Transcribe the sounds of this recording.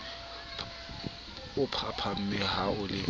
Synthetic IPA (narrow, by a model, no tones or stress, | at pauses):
ʊpʰapʰam̩mɪhaʊlɪ